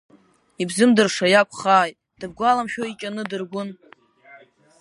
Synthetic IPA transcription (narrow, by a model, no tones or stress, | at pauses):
ibzɨmdɨrʂajakʷʰʼχaːjtʼd̥ɨb̚ɡʷalamʃᶣoikʲʼanɨdɨrɡʷʊn